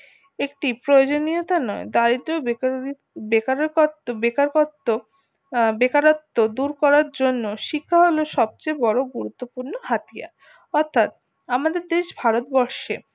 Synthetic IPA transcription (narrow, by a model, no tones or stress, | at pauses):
ekʈipɾojod͡ʑonijot̪anɔed̪aɾid̪ɾo | bekabekaɾkot̪ːo | bekaɾot̪ːod̪uɾkɔɾaɾd͡ʑonːoʃikʰːaɦoloʃɔb̚t͡ɕebɔɾoɡuɾut̪ːopuɾnoɦat̪ija̰ | ɔɾt̪ʰat̪̚ | amad̪eɾd̪eʃbʱaɾot̪̚bɔɾʃe